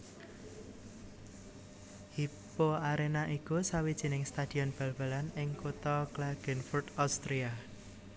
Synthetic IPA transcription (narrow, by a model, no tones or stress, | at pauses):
hi | poaɾenaʔikusawid̥ʒ̥i̤nɪŋst̪ad̪̥i̤ɔnb̥a̤lb̥a̤lanɪŋkut̪ɔklaɡ̥ɛnfurt̪awst̪ɾia